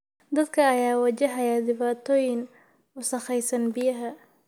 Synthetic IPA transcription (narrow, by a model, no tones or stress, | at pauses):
d̪ɐd̪kʰɐːjaːwɐt͡ʃɐɦɐjaːd̪ɪβaːt̪ʰɔːjɪŋ | ʊsɐχɛjsɐnbɪjɐɦɐ